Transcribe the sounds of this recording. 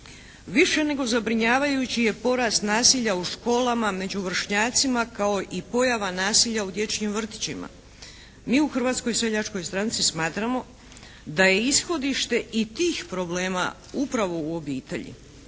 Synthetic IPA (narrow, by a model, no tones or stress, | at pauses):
ʋiʃe̞ne̞ɡo̞zabɾiɲaːʋajut͡ɕije̞po̞ɾast̪naːsiʎauʃko̞ːlamame̞d͡ʒuʋr̩ʃɲaːt̪simakao̞ʔipo̞jaʋanaːsiʎaud̪je̞t͡ʃɲimʋr̩t̪i̥t͡ɕima̰ | miːuxr̩ʋaːt̪sko̞jse̞ʎat͡ʃko̞jst̪ɾant̪sismaːt̪ɾamo̞ | d̪aje̞isxo̞d̪iʃt̪e̞ʔit̪iːxpɾo̞ble̞ːma̰ | upɾaʋo̞uo̞biːt̪e̞̰ʎḭ